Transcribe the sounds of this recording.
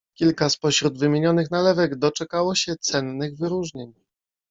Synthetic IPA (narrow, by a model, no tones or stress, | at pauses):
kʲilkaspɔɕɾud̪vɘmʲjeɲɔnɘxnalɛvɛɡd̪ɔt͡ʂɛkawɔɕɛt̪sɛnːɘɣvɘɾuʐɲeɲ